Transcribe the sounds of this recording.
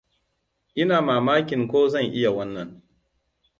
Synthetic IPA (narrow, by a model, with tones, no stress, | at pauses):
ʔɪ˦naː˨maː˨maː˦kʲɪ˨ŋkʷoː˦zɐ˦˨ŋʔɪ˦ja˨wɐ˦nːɐ˨ŋ